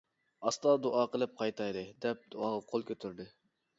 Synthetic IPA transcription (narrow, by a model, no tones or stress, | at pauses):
ɑst̪ɑd̪oʔɑːqəlˠɨp̚qʰɑjt̪ʰɑjd̪ɨd̪ɛp̚d̪̥uɑːʁɑqʰolˠkʲøt̪ʰyɾd̪ɪ